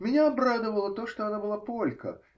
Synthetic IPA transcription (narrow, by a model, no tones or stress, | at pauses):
mʲɪnʲaɐbɾad̪ɨvəlˠət̪oʂt̪oɐnabɨlˠapolʲkə̰